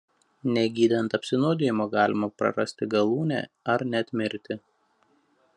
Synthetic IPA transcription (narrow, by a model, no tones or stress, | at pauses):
nʲɛɡʲiːd̪ʲɐnt̪ɐpʲsʲɪnoːd̪ʲejɪmoːɡɑːlʲɪmɐpɾɐ̰ɾɐsʲt̪ʲɪɡɐlˠuːnʲæ̰ːɐɾnʲɛɐt̪ʲmʲɪɾʲt̪ʲɪ